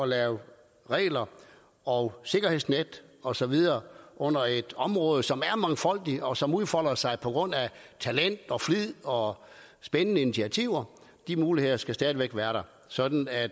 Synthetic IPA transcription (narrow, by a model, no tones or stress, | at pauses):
ɒ̽lɛːʊ | ʁɛ̰ːlɐ | ɒʊse̝ɡ̥ɐɦhe̝ð̰ˠsned̥ɒ̽sɒ̽ʋið̞ˠɐːʔɔ̽n̰ɐe̝d̥ɒ̽mʁɔːð̞ˠəsɒ̽mæɐmɑ̈ŋfɒ̽l̰d̥iɒ̽sɒ̽muð̞ˠfɒ̽l̰ɐsɑ̈ɪpʰɒ̽ɡ̥ʁɔ̽n̰æt͡sʰælen̰d̥ɒ̽fʁið̰ˠɒ̽ | sb̥enənəinit͡sʰiæt͡sʰiʊ̰ɐ | d̥imuːlihe̝ð̰ˠɐsɡ̥æsd̥ɛːðˠiʋeɡ̥ʋæːɐɾɑ̈ | sɒ̽d̥n̩æd̥